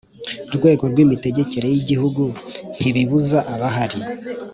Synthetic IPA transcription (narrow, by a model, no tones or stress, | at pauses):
ɾɡwe̞ːɡo̞ɾɡwimite̞ɟe̞ce̞ɾe̞jiɟihuɡun̥iβiβuzaʔaβaɦaɾi